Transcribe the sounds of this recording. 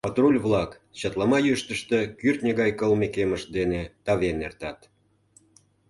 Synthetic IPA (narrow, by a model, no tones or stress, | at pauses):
pɑt̪rulʲvlˠɑk | t͡ɕɑt̪lˠɑmɑjyʃt̪əʃt̪ekyrt̪nʲeɣɑjkəlmekeməʃ̚d̪enet̪ɑβenert̪ɑt̪